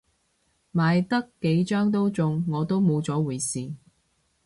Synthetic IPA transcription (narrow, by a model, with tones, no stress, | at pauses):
maː˨˧jt̪ɐ˥kːe˨˥jt͡ʃœː˥ŋt̪̬o˥wt͡sʊ˨˧ŋːɔː˨˧t̪o˥wmo˨˧wt͡sɔː˨˥wuː˨˩jsiː˨